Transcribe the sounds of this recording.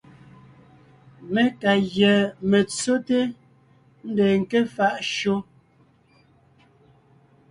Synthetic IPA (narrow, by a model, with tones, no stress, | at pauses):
me˦ka˨ɣjɛ˨me˨t͡so˦te˦ | n̩˦de˨ŋ̩˨ke˦fa˦ʔʃo˦